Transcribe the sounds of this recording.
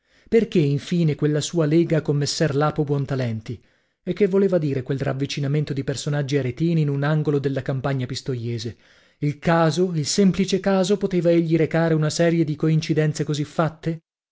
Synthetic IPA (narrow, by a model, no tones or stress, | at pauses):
perk̟eiɱfiːnekwelːasuːaleːɡakomːesːɛrlaːpobwɔnt̪alɛnt̪i | ekːevːoleːvad̪iːɾekwelra̰vːit͡ʃinament̪od̪ipersonad͡ʒːiaɾet̪iːniːnunaŋɡolod̪elːakampaɲːapist̪ojeːze | ilkaːzoilsemplit͡ʃekaːzopot̪eːvaeʎːiɾekaːɾeunasɛːɾjed̪ikoint͡ʃid̪ɛnt̪sekozifːat̪ːe